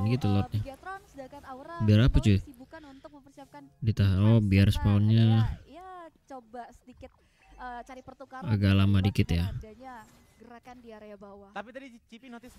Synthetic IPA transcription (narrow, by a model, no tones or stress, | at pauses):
nɡit̪ulɔt̪̚ɲa | biaɾapat͡ʃuanunt̪ʊkməpərsiakandit̪aɦaɔbiarsə̥paɔnɲajt͡ʃobasədikɪt̪̚ | t͡ʃaɾipərt̪ukaaɡaʔlamadikɪt̪jaɲa | ɡəɾaanbawapit̪i